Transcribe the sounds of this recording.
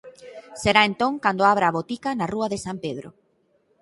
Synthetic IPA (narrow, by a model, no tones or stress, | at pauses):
seɾaent̪õŋkand̪oaβ̞ɾaːβot̪ikanaruaðesampeð̞ɾo̰